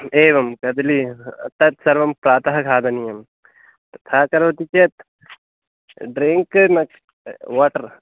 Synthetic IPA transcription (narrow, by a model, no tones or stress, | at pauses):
eːʋɐmkɐd̪lit̪ɐt̪sɐɾʋɐmpɾaːt̪ɐɦɐkʰaːd̪ɐnijɐm | ɐt̪ʰaːkɐɾʋɐt̪it͡ʃet̪ | ɖɾiŋkmɐk | ʋaːʈɐɾ